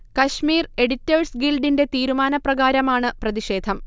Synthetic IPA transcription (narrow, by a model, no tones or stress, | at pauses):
kɐɕmiːre̞ɽitːɐːrsɡilɖinde̞t̪iːɾumaːnɐprɐɣaːɾɐmaːɳɨprɐðiʂe̞ːd̪ʱɐm